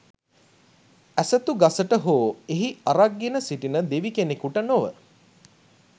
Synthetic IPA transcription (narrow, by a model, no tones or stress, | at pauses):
æsət̪uɡasəʈəɦoːeɦiaɾaɡːenəsiʈinəd̪eʋikenekuʈənoʋə̰